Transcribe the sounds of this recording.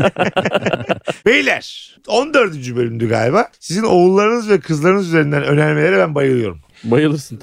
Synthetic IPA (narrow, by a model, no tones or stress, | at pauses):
bejilʲæɾ̥ | o̞nd̪øɾd̪yd͡ʒybø̞lʲymd̪yɡa̰ːlʲibaːsizino̞ulˠːaɾɯnɯzvɛkʰɯzlˠaɾɯnɯzyze̞ɾind̪ænø̞nælʲmelʲeɾɛbænbajɯɾlˠɯjo̞ɾum | bajɯlˠɯɾsɯn